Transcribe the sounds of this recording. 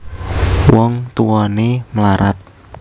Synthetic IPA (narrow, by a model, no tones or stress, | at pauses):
wɔŋt̪uwɔnemlaɾʔa̰t̪̚